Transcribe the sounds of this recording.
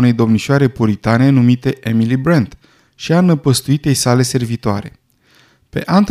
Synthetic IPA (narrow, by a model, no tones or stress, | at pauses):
une̞jd̪o̞mniʃoaɾe̞puɾit̪ane̞numit̪e̞ʔemilibɾant̪ | ʃianəpəst̪uit̪e̞jsale̞se̞rvit̪oa̰ɾe̞̰ | pe̞̰ʔant̪